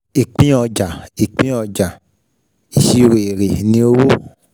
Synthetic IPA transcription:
i˨k͡pĩ˦ɔ˧d͡ʒa˨i˨k͡pĩ˦ɔ˧d͡ʒa˨ | i˨ʃi˧ɾe˨e˨ɾe˨nĩ˧˦o˦wo˦

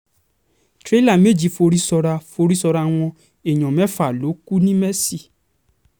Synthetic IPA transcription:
tɾe˦la˦˨me˦˨d͡ʒi˨fo˧ɾi˦sɔ˧ɾa˧fo˧ɾi˦sɔ˧ɾa˧w̃ɔ̃˧ | e˨j̃ɔ̃˨mɛ˦fa˨lo˨˦ku˦nĩ˦mɛ˦si˦˨

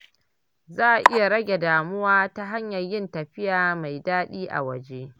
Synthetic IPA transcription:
zaː˦˨ʔa˨ʔɪ˦ja˨ɽɐ˦ɡʲe˨daː˨mʊ˦waː˦ta˦ɦa˦ɲjɐ˨rjɪ˦ntɐ˨ɸɪ˦jaː˨ma˨jdaː˦ɗiː˦ʔa̰˨wɐ˨d͡ʒe˦ʔ

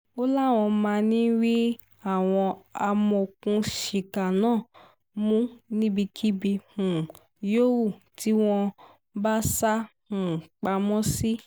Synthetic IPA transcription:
o˦la˦˨w̃ɔ̃˧mãː˧nĩ˦wi˦ | a˦˨w̃ɔ̃˧a˧mɔ˧o˨kũ˧˦ʃi˨ka˨nãː˦˨ | mũ˦nĩ˦bi˧kʰi˦bi˧hũ˨ | jo˦wu˦˨ti˨˦w̃ɔ̃˧ | ba˦sa˦hũ˨k͡pa˧mɔ̃˦si˦

